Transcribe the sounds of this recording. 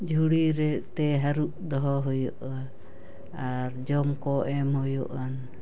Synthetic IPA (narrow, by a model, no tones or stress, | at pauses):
d͡ʒʱuɽiɾɛʔt̪ɛɦaɾuʔd̪ɔɦɔɦɔjɔʔa | aɾd͡ʒɔmkɔʔɛmɦɔjɔ̰ʔan